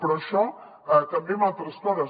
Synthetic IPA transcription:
pɾɔʃɔ | ət̪əmbemat̪ɾəspɔɾə

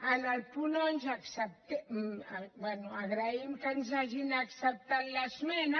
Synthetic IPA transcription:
analpunonzaksap̚t̪e | banuaɣɾaimkanzaʒinaksap̚t̪anlasmɛna

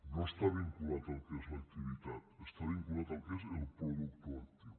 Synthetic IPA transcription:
noest̪aβiŋkulat̪alkezlak̚t̪iβ̞it̪at̪est̪aβiŋkulat̪alkeselpɾoðukt̪oak̚t̪iw

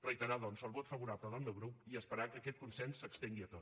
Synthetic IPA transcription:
rəjt̪əɾaðɔnzəlˠβot̪fəβuɾapləðəlˠmewɣɾupiəspəɾakəːkɛt̪̚kunsɛnsːəkst̪eŋɡiət̪ot̪

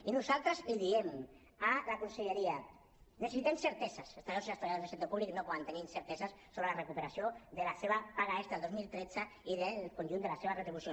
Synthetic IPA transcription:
inusalˠt̪ɾəziðiem | alakunseʎeɾia | nesesit̪emseɾt̪esasest̪aɾewseast̪ɾaɾjaðazðesenopuβliknopɔðant̪eninseɾt̪esasːoβɾelarekupeɾasioðəlaseβapaɣaest̪aelˠd̪ozmilˠt̪ɾed͡zaiðelkonʲʒund̪elaseβaret̪ɾiβusjo

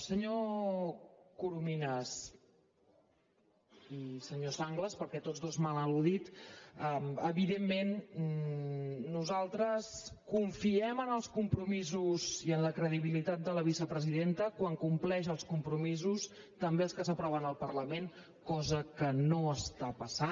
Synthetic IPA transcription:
səɲo | kuɾuminəs | isəɲosaŋɡləspəɾkɛt̪odzðozmalˠəluðit̪əəβiðemːen | nuzalˠt̪ɾəskuɱfiɛmənəlˠskumpɾumizuziənləkɾəðiβilit̪at̪̚d̪ələβ̞isəpɾəziðent̪əkwaŋkumplɛʃəlˠskumpɾumizus | t̪əmbeəlˠskəsəpɾɔβənəlˠpəɾləmen | kɔzəkənoəst̪apəsa

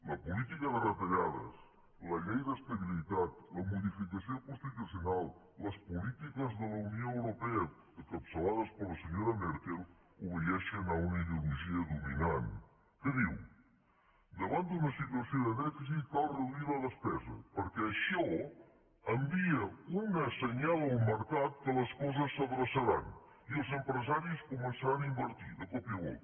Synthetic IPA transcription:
ləpulit̪ikəðərət̪əʎaðə̰s | ləʎejðəst̪əβilit̪at̪ləmuðifikəsiokunst̪it̪usiunalˠ | ləspulit̪ikəzðələunioəwɾupɛə | əkəpsəlaðəspəɾləsəɲoɾəmɛɾt̪elˠ | uβəjɛʃənaunəiðiuluʒiəðuminan | kəðiw | d̪əβand̪unəsit̪uəsioðəðɛfizit̪̚kalˠrəuiləðəspɛzə̰pəɾkɛəʃɔ | əmbiəunəsəɲalˠəlˠməɾkat̪kələskɔzəsːəβɾəsəɾan | iəlˠzəmpɾəzaɾiskumənsəaɾanaimbəɾt̪iðəkɔpiəɣɔ̰

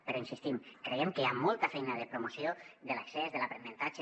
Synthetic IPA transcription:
peɾoinsist̪imkɾeemkeamolˠt̪afɛjnaðepɾomosioðelaksɛzðelapɾenent̪at͡ʃe

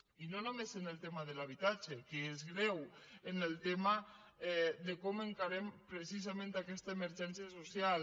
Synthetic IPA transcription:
inonomezenelˠt̪emaðelaβ̞it̪ad͡ʒekeezɣɾɛwenelˠt̪ema | ɛðekɔmeŋkaɾempɾesizamẽnt̪akɛst̪aemeɾʒɛnsjasosjal

